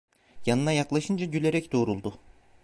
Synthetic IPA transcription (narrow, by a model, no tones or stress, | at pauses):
janɯnajaklˠaʃɯnd͡ʒaɟylʲe̞ɾɛcd̪o̞ːɾulˠd̪u